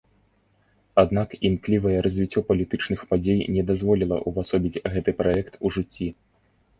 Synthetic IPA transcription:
ad̪nakimklʲivɐjɛɾɐzʲvʲit͡sʲːɔpɐlʲit̪ɨt͡ʂnɨxpad͡zʲejnʲɛd̪azvɔlʲilˠɐ̰ʔuvasɔbʲid͡zʲɣɛt̪ɨpɾajɛkt̪uʐɨt͡sʲːi

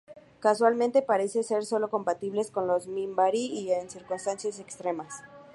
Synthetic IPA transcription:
kaswalmẽnt̪e̞paɾe̞sese̞ɾso̞lo̞ko̞mpat̪iβle̞sko̞nlo̞zmĩmbaɾiːensiɾkunst̪ansjase̞kst̪ɾe̞mas

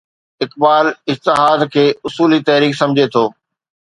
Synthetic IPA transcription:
ɪkbaːlɪd͡ʑt̪ɪɦaːd̪kʰeːʊsuːlit̪ɐɦɾiːksɐ̃md͡ʑʱet̪ʰoː

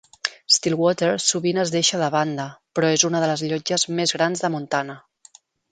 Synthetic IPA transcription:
st̪ilˠwɔt̪eɾsuβinəzðeʃəðəβand̪əpɾɔezunəðələzʎɔd͡ʒəzmezɣɾanzðəmunt̪anə

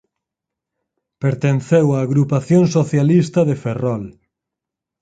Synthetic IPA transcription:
peɾt̪enθewaːɣɾupaθjoŋsoθjalist̪ɐðeferɔl

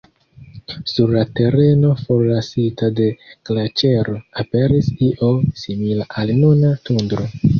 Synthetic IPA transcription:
suɾlate̞ɾe̞no̞fo̞ɾlasitade̞klat͡ʃe̞ɾoape̞ɾisiʔo̞similaʔalnunatundɾo̞

